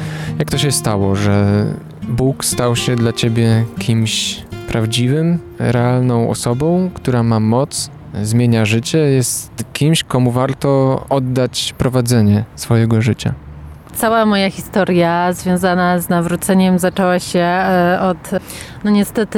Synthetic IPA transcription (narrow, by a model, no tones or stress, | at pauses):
jak̚t̪ɔɕ̬ɛst̪awɔʐɛ | bukst̪awɕɛd̪lat͡ɕebʲjɛkʲʰimɕpɾavd͡ʑivɘm | ɾɛalnɔ̃w̃ʔɔ̰sɔbɔ̃w̃kt̪uɾamamɔt̪s | zmʲjeɲaʐɘt͡ɕɛjɛst̪kʲimɕkɔmuvaɾt̪ɔɔd̪ːat͡ɕpɾɔvad̪zɛɲɛsfɔjɛɡɔʐɘt͡ɕa̰ | t̪sawamɔjaxʲist̪ɔɾjazvʲjɔ̃w̃zanaznavɾut̪sɛɲɛmzat͡ʂɛwaɕɛɔt̪ | nɔɲɛst̪ɛt̪ɘ